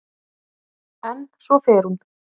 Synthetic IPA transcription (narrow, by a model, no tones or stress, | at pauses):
ɛnːsvɔfɛːɾun